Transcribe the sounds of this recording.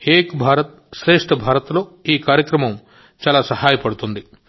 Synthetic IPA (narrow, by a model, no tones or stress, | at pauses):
eːkbʱaːɾɐt̪̚ | ʃɾe̞ːʂʈɐbʱaːɾɐt̪lo̞ːiːkaːɾjɐkɾɐmɐm | t͡ʃaːlaːsɐɦaːjɐpɐɽut̪und̪i